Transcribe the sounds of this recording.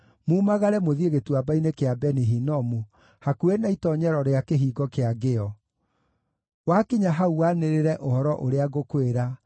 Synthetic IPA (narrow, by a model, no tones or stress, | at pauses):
muːmaɣaɾɛmoðieɣetuwabainekeabɛniɦinɔmu | hakuenaitɔɲɛɾɔɾeakeɦiːɡɔkeaɡeɔ | wakiɲaɦauaneɾeɾɛʔohɔɾɔʔoɾeaɣokweɾa